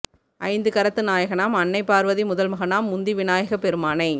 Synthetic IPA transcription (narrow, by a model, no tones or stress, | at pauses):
ʔɐ̰ɪnd̪ɯkɐɾɐt̪ːɯnaːjɐɣɐnaːmɐnːɐɪpːaːɾʋɐðimʊðɐlmɐɣɐnaːmːʊnd̪iʋɪnaːjɐɣɐpɛɾɯmaːnɐɪ